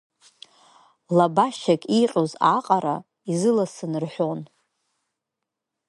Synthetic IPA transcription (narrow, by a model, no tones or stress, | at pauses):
labaʃakʼiqʼozaqʼaɾa | izɨlasɨnɨrħʷon